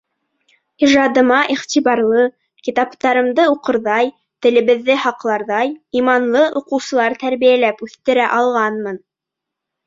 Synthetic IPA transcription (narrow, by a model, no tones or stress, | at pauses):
iʒɑd̪ɤ̆mɑʔiχt̪ʲiβɑɾlˠɤ | kit̪ɑpt̪ɑɾɤ̆md̪ɤuqɤ̆ɾðɑj | t̪ɘ̆lɘ̆βɘ̆ðːɘhɑqlˠɑɾðɑjimɑnlˠɤʔuqɤ̆wsɤ̆lˠɑɾt̪æɾβijælæpʉθt̪ɘ̆ɾæʔɑlˠʁɑnmɤn